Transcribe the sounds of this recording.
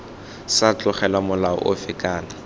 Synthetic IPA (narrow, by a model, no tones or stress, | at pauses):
sat͡ɬʼʊχɛlwamʊlaɔ̰ʔʊfɪkʼaːna